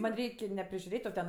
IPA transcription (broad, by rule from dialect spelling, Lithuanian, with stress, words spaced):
ˈmɐnʲ ˈrʲɛɪkʲ nʲɛ pʲrʲɪʒʲʊˈrʲeːtʲ oː ˈtʲɛn